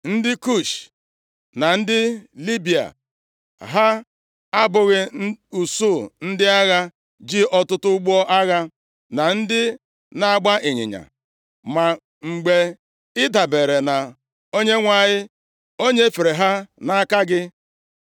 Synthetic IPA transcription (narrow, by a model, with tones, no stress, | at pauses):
n̩˦dɪ˦ku˦˨ʃ | na˨n̩˦dɪ˦li˦bi˨a̰˨ | ɦa˦ | a˦bʊ˨ɣɪ˦u˨su˦˨n̩˦dɪ˦a˦ɣa˦ | d͡ʒɪ˦ʔɔ˦tʊ˦tʊ˦ɡ͡bɔ˦ʔa˦ɣa˦ | na˨n̩˦dɪ˦ | na˨ɡ͡ba˦ʔɪ˨ɲɪ̰˨ɲa̰˨ | ma˨ | ŋ͡m̩˨ɡ͡be˨ | ɪ˦da˨be˨ɾe˨na˨ | o˦ɲe˦ŋʷa˨ɲɪ˦ | o˦ɲe˦fe˨ɾe˨ɦa˦na˦ka˦ɡɪ˦